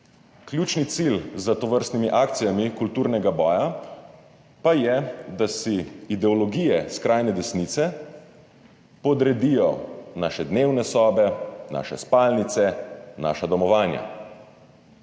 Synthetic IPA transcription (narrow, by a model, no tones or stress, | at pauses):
klʲjuːt͡ʃnit̪silzat̪ɔʋəɾst̪nimiʔaːkt̪sijamikult̪uːɾnɛɡabɔːja | pajɛd̪asiːd̪ɛɔlɔɡijɛskɾaːjnɛd̪ɛsniːt̪sɛ | pɔd̪ɾɛd̪ijɔnaːʃɛd̪neːwnɛsɔːbɛna̰ʃɛ̰spaːlnit̪sɛna̰ːʃad̪ɔmɔʋaːnja̰